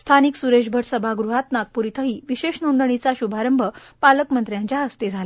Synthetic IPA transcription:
st̪ʰaniksuɾeɕbʱəɽsəbʱaɡɾuɦat̪nak̚puɾit̪ʰəɦiːʋiɕeɕnond̪əɳ̃it͡saɕubʱaɾəmbʱəpaləkmənt̪ɾjãɲt͡ɕjaəst̪ed͡zʱala

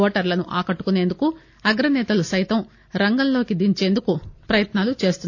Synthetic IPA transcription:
oːʈɐɾlɐnuʔaːkɐʈːu̥kune̞ːnd̪uku | ɐɡɾɐnɛːt̪ɐlusɐjt̪ɐm | ɾɐŋɡɐnlo̞ːkid̪iɲt͡ʃe̞ːnd̪ukupɾɐjɐt̪naːlut͡ʃe̞ːst̪unː

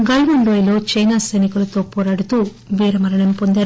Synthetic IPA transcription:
ɡɐlʋɐɳɖoːjlo̞ːt͡ʃɐjnaːsɐjnikulɐt̪o̞ːpɔːɾaːɽut̪uː | ʋiːɾɐmɐɾɐɳɐmpond̪eːɾ

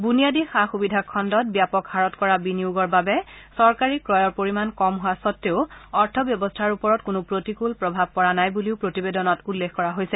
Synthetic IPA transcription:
bunijadixaxubidʱakʰːɔndɔt̚bjapɔkhaɹɔtkɔɹabiniʊɡɔɹbabɛsɔɹkaɹikɹɔjɔɹpoɹimankɔmɦuasɔtːeʊɔɹtʰɔbjɔbɔstʰaɹupɔɹɔtkʊnʊpɹotikulpɹɔbʱab̚kɔɹanajbuliʊpɹotibedɔnɔtulːekkɔɹaɦojsɛ

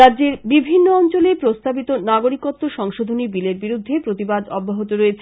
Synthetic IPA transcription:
adːʑeɾbibʱinːoɔnt͡ɕolepɾost̪abit̪onaɡoɾikot̪ːoʃɔŋʃod̪ʱonibileɾbiɾud̪ʱːepɾot̪ibad̪ɔbːoɦot̪oɾeɾ

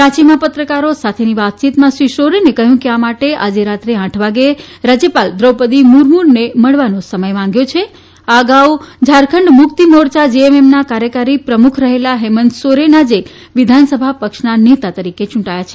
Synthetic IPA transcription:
ɾãt͡ʃimãpət̪ɾəkaɾosat̪ʰeniʋat̪̚t͡ʃit̪mãsʋiʃoɾenekəɦjũkeamaʈeʔad͡ʒeɾat̪ɾeãʈʰʋaɡeɾad͡ʒjəpald̪ɾəwpəd̪imuɾmuɾneməɭʋanosəməjmãŋɡjõt͡ʃʰe | aəɡaud͡ʒʱaɾkʰəɳɖmʊkt̪imoɾt͡ʃad͡ʒeememnakaɾjəkaɾipɾəmukʰɾəɦelaɦemənd̪soɾenad͡ʒe | ʋid̪ʱansəbʱapəkʃnanet̪at̪əɾiket͡ʃũʈajat͡ʃʰe

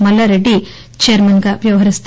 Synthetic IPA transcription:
mɐlɐɾeɖi | t͡ʃeːɐɾmɐnɡɐʋjɐʋɦɐɾist̪

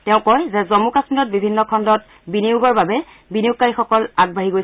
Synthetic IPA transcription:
tɛʊ̃kɔjzɛzɔmukasmilɔt̚bibʱinːɔkʰɔndɔt | biniʊɡɔɹbabɛ | biniʊk̚kːaɹixɔkɔlaɡ̚bʱaɦiɡoj

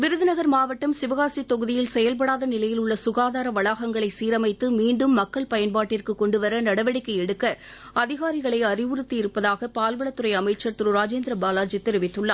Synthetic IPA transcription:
ʋɪɾɯðɯnɐɣɐɾmaːʋɐʈːɐmsɪʋɐɣaːsit̪ːɔɣɯðɪjɪlsɛjɐlp̬ɐɽaːðɐnɪlɐjɪlʊɭːɐsʊɣaːðaːɾɐʋɐɭaːɣɐŋɡɐɭɐɪsiːɾɐmɐɪt̪ːɯmiːɳɖɯmːɐkːɐɭpɐjɐnpaːʈːɪrkɯkɔɳɖɯʋɐɾɐnɐɽɐʋɐɽɪkːɐjɛɽɯkːɐ | ɐðɪɣaːɾɪɣɐɭɐɪɐɾɪʋɯɾɯt̪ːiɪɾɯpːɐðaːɣɐpaːlʋɐɭɐt̪ːɯɾɐɪɐmɐɪt͡ʃːɐɾt̪ɯɾɯɾaːd͡ʒeːnd̪ɾɐbaːlaːɾd͡ʒɪt̪ːɛɾɪʋɪt̪ːɯɭːaː

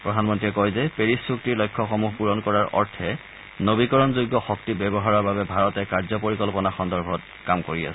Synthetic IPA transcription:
pɹɔdʱanmɔntɹiɛkɔjzɛpeɹisuktiɹlɔjkʰːɔxɔmuɦpuɹɔnkɔɹaɹɔ̰ɹtʰɛ | nobikɔɹɔnzoɡːɔxɔktibɛbɔɦaɹɔɹbabɛbʱaɹɔtɛkaɹzɔpoɹikɔlpɔnaxɔndɔɹbʱɔt | kamkoɹia̰sɛ

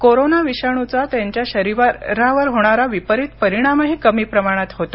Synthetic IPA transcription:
koɾonaʋiɕaɳ̃ut͡sat̪jaɲt͡ɕjaɕəɾiʋaɾaʋəɾɦoɽ̃aɾaʋipəɾit̪pəɾiɽ̃aməɦikəmiːpɾəmaɽ̃at̪ɦot̪o

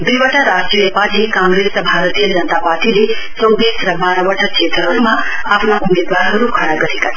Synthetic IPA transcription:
d̪iʋəʈaɾasʈɾijəpat͡ʃʰekãŋɡɾesbʱaɾət̪ijəd͡ʒənət̪apaɾʈile | səwd̪esɾəbʱaɾəʋəʈʰət͡ʃet̪əɾomãapɳaʔumed̪ʋaɾɦəɾukʰəɽ̃aɡəɾika

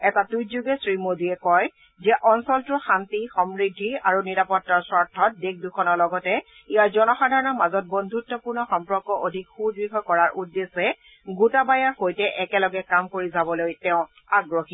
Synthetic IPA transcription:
ɛtatujzuɡɛsɹimodiɛkɔj | zɛʔɔnsɔltʊxantixɔmɹidʱːiaɹuniɹapɔtːaɹsɔɹtʰːɔt̚dek̚dukʰɔnɔɹlɔɡɔtɛ | ijaɹzɔnɔxadʱaɹɔnɔmazɔt̚bondʱutːɔpuɹnɔxɔmpɹɔkːɔʔodʱikxudbikʰɔjkɔɹaɹʔudːesɛ | ɡutabajaɹxojtɛʔɛkɛlɔɡɛkamkoɹizabɔlojtɛʊ̃ | aɡɹoxi

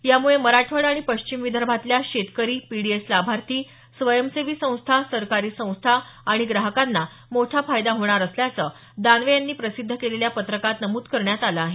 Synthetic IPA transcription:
jamuɭeməɾaʈʰʋəɽaɽ̃ipəɕt͡ɕimʋid̪ʱəɾbʱat̪ljaɕet̪kəɾiːpiɽieslabʱaɾt̪iː | sʋəjəmseʋiːsə̃w̃st̪ʰasəɾkaɾiːsə̃w̃st̪ʰaaɽ̃iɡɾaɦəkanːa | moʈʰafajd̪aɦoɳ̃aɾəsljat͡səː | d̪anʋejanːiːpɾəsid̪ʱːəkeleljapət̪ɾəkat̪nəmuːt̪kəɾɳjat̪aləaɦe

